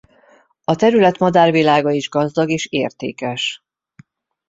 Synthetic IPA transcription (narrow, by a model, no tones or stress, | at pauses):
ɒt̪ɛɾylɛt̪mɒd̪aːrvilaːɡɒiʒɡɒzd̪ɒɡeːʃeːrt̪ḛːkɛʃ